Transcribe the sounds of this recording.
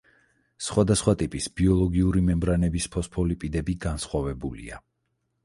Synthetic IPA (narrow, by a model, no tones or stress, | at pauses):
sχwad̪asχwat̪ʼipʼisbiɔlˠɔɡiuɾimɛmbɾanɛbispʰɔspʰɔlipʼid̪ɛbiɡansχwavɛbulḭa̰